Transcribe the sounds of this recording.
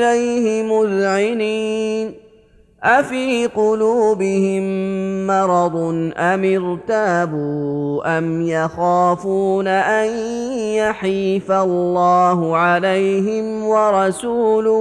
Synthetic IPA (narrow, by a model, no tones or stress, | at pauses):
lajhɪmʊðʕɪniːn | ʔafiːqʊluːbɪhɪmːɑɾˤɑd̪ˤnʔamɪɾt̪abuːʔamjaxaːfuːnaʔanjaħiːfalːɑːɦʊʕalajɦɪmwɑɾˤɑsuːlʊ